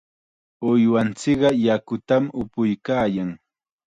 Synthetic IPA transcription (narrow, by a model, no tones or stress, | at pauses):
ʊjwant͡sɪɢɑjakʊt̪amʊpʊjkaːjaŋ